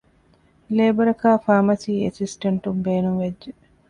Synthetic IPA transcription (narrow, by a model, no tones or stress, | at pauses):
leːbɐɾɐkaːfaːmɐsiːesisʈɐɳʈumbeːnuŋʋedʒe